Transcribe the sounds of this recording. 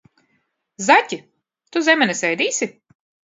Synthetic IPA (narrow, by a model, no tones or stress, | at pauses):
zatʲi | t̪uzʲemʲɛnɛsɛjd̪iːsʲi